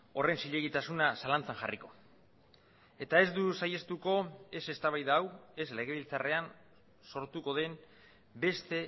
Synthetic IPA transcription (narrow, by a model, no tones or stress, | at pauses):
o̞re̞nsiʎe̞ɣ̞it̪asunasalant͡saŋʝariko̞ | e̞t̪ae̞zd̪usaje̞st̪uko̞e̞se̞st̪aβajðaːwe̞sle̞ɣ̞e̞βilt͡sare̞an | so̞ɾt̪uko̞ðe̞n | be̞st̪e̞